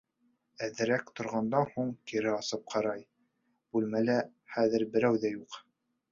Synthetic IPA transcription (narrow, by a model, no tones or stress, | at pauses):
æðɘ̆ɾækt̪ŏɾʁɑnd̪ɑnhuɴkiɾɘɑsɤp̚qʰɑɾɑj | b̥ʉlmælæ | χæðɘɾbɘ̆ɾæwðæjuq